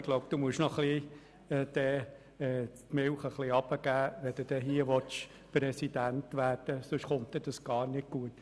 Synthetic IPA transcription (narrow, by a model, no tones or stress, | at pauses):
ɡlɔʊbd̥̪uːmuəʃnɔχli | ɛd̪̥ɛː | ɛːt̪mɪlχəχliɑb̥əɡ̥æːʋɛd̥̪ud̥̪ɛːɦiəʋɔt͡ʃ | pɾɛsid̥̪æntʋæːɾd̥əsʊʃχʊntd̪ɛd̥ɑsɡ̥ɑːɾnɪɡ̚ɡ̥uət